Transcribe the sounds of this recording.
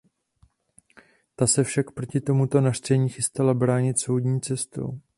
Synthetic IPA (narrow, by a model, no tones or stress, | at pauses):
t̪asɛfʃakpɾo̞cɪt̪o̞mut̪o̞nar̥t͡sɛɲiːxɪst̪alabɾaːɲɪt̪so̞wdɲiːt͡sɛst̪o̰w